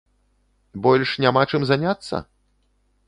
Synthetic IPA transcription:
bɔlʲʂnʲamat͡ʂɨmzanʲat̪sːɐ̰

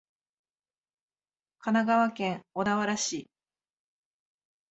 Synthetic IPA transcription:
kʰanaɡaβakẽ̞ŋod̪aβaɾaɕi

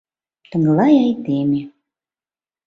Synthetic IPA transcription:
t̪ə̆ŋɡlɑjɑjt̪eme

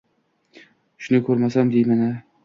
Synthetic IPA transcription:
ʃʊnɪkʰɵɾmasamd̪ejmana

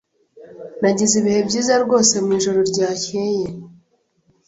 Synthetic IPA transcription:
naɟiziβihe̞bɟiːzaɾɡo̞ːse̞mŋiːʒoɾoɾɟaːceje̞

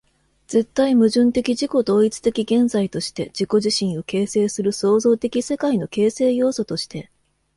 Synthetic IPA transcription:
d͡ze̞t̪ːaimɯ̟ʑɨ̃nt̪e̞kʲiʑiko̞d̪o̞ːit͡sɨ̥t̪e̞kʲiɡẽ̞nzait̪o̞ɕi̥t̪e̞d͡ʑiko̞ʑiɕĩɰ̃o̞ke̞ːse̞ːsɨɾɯ̟so̞ːzo̞ːt̪e̞kʲise̞kaino̞ke̞ːse̞ːjo̞ːso̞t̪o̞ɕi̥t̪e̞

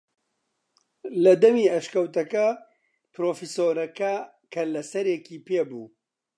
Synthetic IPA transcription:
lɐd̪ɐmiːɐʃkɐwt̪ɐkɐ | pɾoːfisoːɾɐkɐ | kʰɐlɐsɐɾjekiːpeːbṵː

